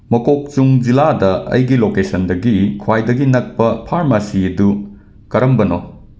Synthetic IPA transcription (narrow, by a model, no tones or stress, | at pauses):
mɐkok̚t͡ʃuŋd͡ʒiladɐɐ̰jɡilokesɐndɐɡikʰwajdɐɡinɐk̚pɐpʰaɾmasiɐdu | kɐɾɐmbɐno